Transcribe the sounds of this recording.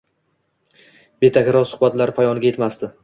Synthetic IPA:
be̞t̪ʰakʲɪɾɒsʊ̥χbat̪laɾɪpʰajɒnɪɡʲaje̞t̪mast̪ɪ

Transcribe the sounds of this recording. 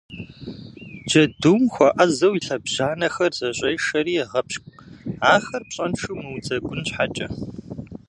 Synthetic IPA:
d͡ʒɐduːmxʷɐʔɐzɐwiɬɐbʑ̥aːnɐxɐrzɐɕʼɐjʂɐɾiːʁɐpɕkʷʼaːxɐrpɕʼɐnʈ͡ʂʰumɨwd͡zɐɡʷʼʊnɕħat͡ʃʼɐ

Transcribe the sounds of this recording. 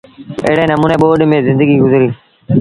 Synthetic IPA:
ḛːɽeːnəmuːneːɓoːɗmẽːzɪ̃nd̪əɡiːɡʊzɾiː

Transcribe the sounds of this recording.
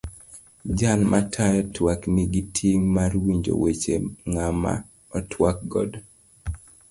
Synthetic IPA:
d͡ʒanmatʰajɔtwakniɡitʰiŋmarwiɲd͡ʒo̰wet͡ʃeŋama̰ | ɔtʰwak̚ɡɔ̰d

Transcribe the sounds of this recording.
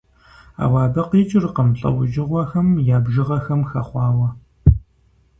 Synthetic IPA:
a̰ːwɑːbɐqiːt͡ʃʼɪrqəmɬʼɐ̰wʊʒɪʁʷɔxɐmjaːbʒɨʁɐxɐmxɐχʷɑːwɐ

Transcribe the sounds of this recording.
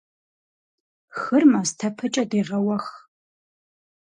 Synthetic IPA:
xɨrmɐstʰɐpʰɨt͡ʃʼɐdeːʁɐwɐx

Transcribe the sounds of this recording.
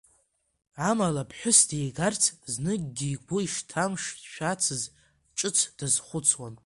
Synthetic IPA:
amalapʰħʷᶣʊsdejɡart͡sʰznɨɡɡʲiːɡʷʊiʂtʰamʂʃᶣat͡sʰɨz | ʈ͡ʂʼɨt͡sʰd̥azχʷʊt͡sʰwan

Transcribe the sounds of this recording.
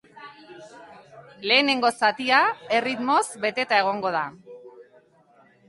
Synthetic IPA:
le̞ːne̞ŋɡo̞sat̪iae̞rit̪mo̞zbe̞t̪e̞t̪ae̞ɣ̞o̞ŋɡo̞ð̞a

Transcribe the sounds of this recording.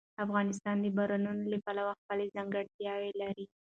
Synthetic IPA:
afɣɑnɪs̬t̪ɑnd̪əbaɾanunolapalawaxpəlezaŋɡəɽt̪jɑwelaɾi

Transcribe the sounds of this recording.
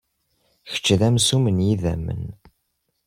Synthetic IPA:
çə̥t͡ʃːðæmsumənjiðæ̰mːə̰n

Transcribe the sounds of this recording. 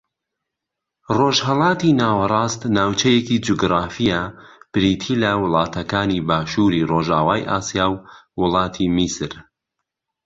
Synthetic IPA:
roːʒhɐlˠɑːt̪inaːwɐrˤɑːst̪naːwt͡ʃɐjekid͡ʒuɡɾaːfijɐb̥ɾit̪ʰilɐwʊlˠɑːt̪ʰɐkaːnibaːʃuːɾiroːʒaːwaːjʔa̰ːsjaːwːʊlˠɑːt̪ʰimisɨɾ

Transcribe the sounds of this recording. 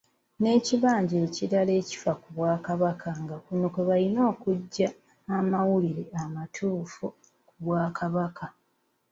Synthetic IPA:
ne̞ːciβaːɲɟe̞ːciɾale̞ːci̥fakuβwaːkaβakʰaŋɡakunokeβalino̞ːkuɟːaː | mawuliɾe̞amatʰuːfu | kuβwaːkʰaβaka

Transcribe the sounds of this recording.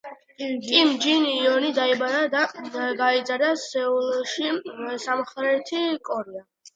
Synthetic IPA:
imd͡ʒiniːɔnid̪aibaɾad̪aɡaid̪zaɾd̪asɛulˠɔʃisamχɾɛt̪ʰikʼɔɾia

